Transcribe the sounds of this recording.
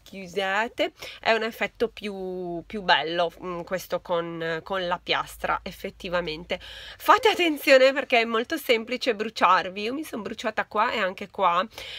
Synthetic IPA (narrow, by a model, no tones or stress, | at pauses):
kjuzeːt̪eʔɛ̰unefːɛt̪ːopjupjubɛlːokwest̪okonkonlapja̰st̪ɾa̰ʔefːet̪ːivament̪efat̪ːeat̪ːent̪sjoːneperkɛɛmːolt̪osemplit͡ʃebɾut͡ʃarviiːomisombɾut͡ʃaːt̪akwaʔeaŋk̟ekwa